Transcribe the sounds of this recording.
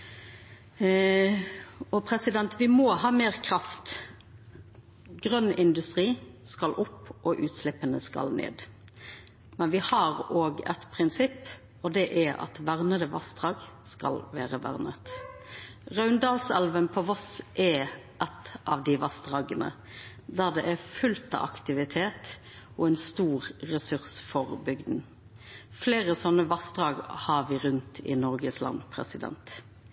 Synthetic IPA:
ɔpʰɾɛsɪd̪ɛnt̪ʋɪmɔhɑːmeːʁkʰʁɑft̪ | ɡʁœnɪnd̪ʉst̪ʁiːskɑlʔʊpːʔɔʔʉːt̪slɪpːənəskɑ̰lnḛːd̪ | mɛnʋɪhɑʁoːɡɛ̰t̪pʰʁɪnsɪpː | ɔd̪ɛʔæɑ̰t̪ʋæʁnəd̪əʋɑ̰st̪ʁɑːɡ | skɑ̰lʋæːʁəʋæ̰ʁnət̪ | ʁɑʉnd̪ɑːlsɛlʋənpʰɔʋɔsʔɛ | ʔɛt̪ʔɑːʋd̪ɪʋɑst̪ʁɑːɡənə̰ | d̪æʁd̪ɛʔæfʉlt̪ɑ̰ʋɑ̰kt̪ɪʋɪt̪ʰeːt̪ | ɔɛnst̪uːʁːɛsʉʁsfɔʁbʏɡd̪n̩ | fleːʁəsɔnːəʋɑst̪ʁɑːɡhɑːʋɪɾʉnt̪ʰɪ̰nɔɾɡəslɑ̰npʰɾɛ̰sɪd̪ɛ̰nt̪

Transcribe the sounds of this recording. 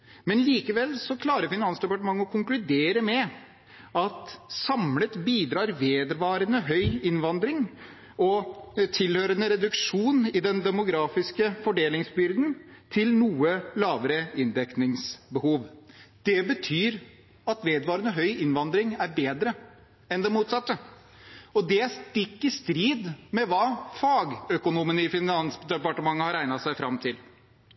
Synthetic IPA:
mɛnliːkəʋɛlsɔkʰlɑːɾəɾfɪnɑnsd̪ɛpɑʈəmɑŋːəɔkʰʊŋklʉd̪eːɾəmɛ | ɑt̪sɑmlət̪biːd̪ɾɑːɾʋeːd̪ʋɑːɾənəɦœʏɪnʋɑnd̪ɾɪŋ | ɔt̪ʰɪlhøːɾənəɾɛd̪ʉkʂuːnɪd̪ɛnd̪ɛmʊɡɾɑːfɪskəfɔɖeːlɪŋsbʏɾd̪nt̪ʰɪlnuːəlɑːʋəɾəɪnd̪ɛknɪŋsbəhuːʋd̪̥ɛbət̪ʰyːɾ | ɑt̪ʋeːd̪ʋɑːɾənəɦœʏʔɪnʋɑnd̪ɾɪŋæɾbeːd̪ɾə | ɛnd̪ɛmuːt̪sɑt̪ːə | ɔd̪ɛst̪ɪkːəst̪ɾiːd̪mɛʋɑːfɑːɡœkʊnuːmənəɪfɪnɑnsd̪ɛpɑʈəmɑŋːəhɑɾæɪnɑtsæɪfɾɑmt̪ʰɪl

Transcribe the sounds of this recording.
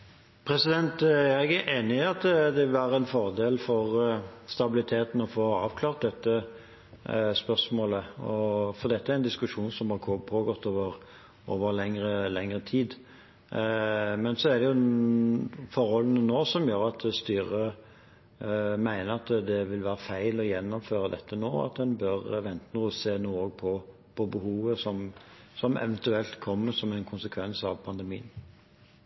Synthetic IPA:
pʰɾɛsɪd̪ɛnt̪æɾɛɡʔeːnɪɑt̪d̪ɛʋɪlʋæːɾəɛnfɔʁd̪eːlfɔʁst̪ɑbɪlɪt̪ʰeːt̪n̩ɔfoːɑ̰ːʋkʰlɑːʁt̪̚d̪ɛt̪ːə | spœʁsmoːləɔfɔɾd̪ɛt̪ːəæɾɪnd̪ɪskʉʂuːnsɔmhɑkʰopʰoːɡɔt̪ʰːoːʋəɾ | oːʋəɾlɛŋɾəlɛŋɾət̪ʰiːd̪ | mɛnsɔæɾd̪ɛjʊ | fɔɾhɔlənənoːsɔmjøːɾɑt̪ʰst̪yːɾə | mæɪnəɾɑt̪d̪ɛʋɪlʋæːɾəfæɪlɔjɛnːɔmføːɾəd̪ɛt̪ːənoːɑ̰t̪d̪ɛnbœɾʋɛnt̪ənuːəseːnuːoːɡ̚pʰɔ | pʰɔbəhuːʋəsɔm | sɔmɛ̰ʋənt̪ʉɛlt̪kʰɔmːəsɔmæɪnkʰʊnsəkʰʋɛnsɑʋpʰɑnd̪əmiːən

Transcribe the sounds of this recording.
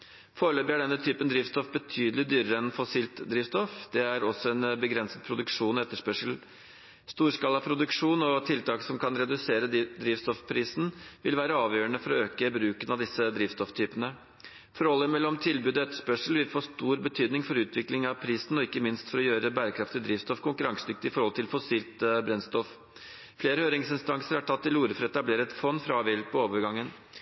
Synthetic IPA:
foːɭøːbəæɖɛnːət̪ʰyːpənd̪ɾɪːft̪st̪ɔfbət̪ʰyːd̪əlɪd̪yːɾəɾəɛnfɔsiːlt̪d̪ɾɪːft̪st̪ɔfd̪ɛæɾɔsɔɛnbəɡɾɛnsət̪̚pʰɾʊd̪ʉkʂuːnɔɛt̪ːəʂpœʂəl̩ | st̪uːʂkɑlɑpʰɾʊd̪ʉkʂuːnɔt̪ʰɪlt̪ʰɑːksɔmkʰɑnɾɛd̪ʉseːɾəd̪ɾiːfst̪ɔfpʰɾiːsn̩ʋɪlʋæːɾəɑːʋjøːɾəɳəfɔɾɔøːkəbɾʉːkənɑʋd̪ɪsəd̪ɾiːʋst̪ɔft̪ʰyːpənə | fɔɾhɔlːəmɛlːɔmt̪ʰɪlbʉːd̪ɔɛt̪ːə̥ʂpœʂəl̩ʋɪlfoːʂt̪uːɾbət̪ʰyːd̪nɪŋfɔɾʉːt̪ʰʋɪklɪŋɑʋpʰɾiːsn̩ɔɪkːəmɪnst̪fɔɾɔjøːɾəbæːɾəkʰɾɑft̪ɪd̪ɾiːʋst̪ɔfkʊŋkʉɾɑŋsd̪ʏk̚t̪əɪfɔɾhɔlt̪ɪlfɔsiːlt̪bɾɛnst̪ɔf | fleːɾəhøːɾɪŋsɪnst̪ɑŋsəɾæʈʰɑt̪ːɪluːɾəfɾɛt̪ːɑbleːɾəət̪fɔnːfɾɑɑːʋɛlpʰɔoːʋəɾɡɑŋːən

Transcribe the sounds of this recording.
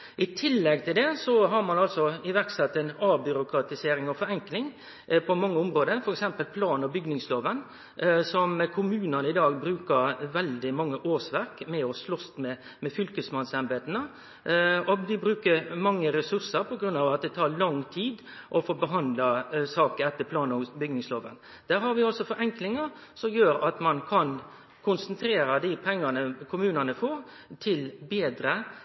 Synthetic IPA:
ʔɪt̪ʰɪlːɛɡ̚t̪ʰɪld̪ɛsɔɦɑɾmɑnɑlsɔɪʋæɾksɛt̪ːɛnɑːbʏɾʊkɾɑt̪ɪseːɾɪŋɔfɔɾɛŋklɪŋ | pʰɔmɑŋːəʊmɾoːd̪əɾfɔɾɛksɛmpəlpʰlɑːnɔbʏɡnɪŋsloːʋən | sɔmkʰʊmʉːnənəɪd̪ɑːɡ̚bɾʉːkəɾʋɛld̪ɪmɑŋːəʔoːsʋæɾkmɛɔslɔst̪mɛ | mɛfʏlkəsmɑnsɛnbeːt̪ənə | ɔd̪ɪbɾʉːkəɾmɑŋːəɾɛsʉɾsəɾpʰɔɡɾʉnːɑːʋɑt̪̚d̪ɛt̪ʰɑːɾɭɑŋt̪ʰiːd̪ | ʔɔfoːbəɦɑnd̪lɑsɑːkəɛt̪ːəpʰlɑːnɔbʏɡnɪŋsloːʋə̰n | d̪̥æːɾhɑɾʋɪɔsɔfɔɾɛŋklɪŋəɾsɔmjøːɾɑt̪mɑnkʰɑn | kʰʊnsənt̪ʰɾeːɾɑd̪ɪpʰɛŋːɑnəkʰʊmʉːnənəfoːɾ | t̪ʰɪlbeːd̪ɾə

